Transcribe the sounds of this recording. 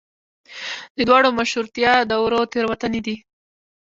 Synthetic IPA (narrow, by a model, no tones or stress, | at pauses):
d̪əd̪wɑɽomaʃuɾt̪jɑd̪əwɾot̪eɾwat̪aned̪i